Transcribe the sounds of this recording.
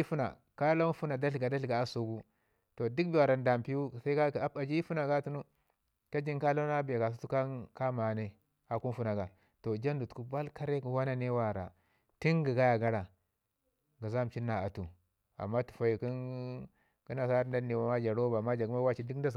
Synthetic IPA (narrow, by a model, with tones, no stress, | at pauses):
fu˦na̰˨ | ka˦la˦fu˦na˨da˦ɬɡa˨da˦ɬɡa˨a˦su˨ɡu˦ | to˨di˦kbi˦wa˨ɾa˨n˦da˨m˨pi˦wu˦˨sa˦i˦a˦a˨d͡ʒi˦i˦fu˦na˨ɡa˦tu˦nu˦ | ka˦d͡ʒi˦ŋka˦la˦a˦bja˨ɡa˨su˦tu˦ka˦ka˦ma˨ne˦ | a˨ku˦n˦fu˦na˨ɡa˨ | to˨d͡ʒa˦ndu˨tku˦ba˦lka˦ɾe˦ku˨wa˦na˦ne˦wa˨ɾa̰˨ | ti˦ŋɡi˨ɡa˦ja˨ɡa˦ɾa˨ | ɡa˨za˦m˨t͡ʃi˦nːa˨a˨tu˨ | a̰˨mːa˦tu̥˨fa˨ji˨ki˦n | ki˦na˨sa˦ɾnda˦nːi˨wa˨ma˦d͡ʒa˨ɾo˦ba˨ma˦d͡ʒa˨ɡma˦wa˦t͡ʃi˦dkda˦s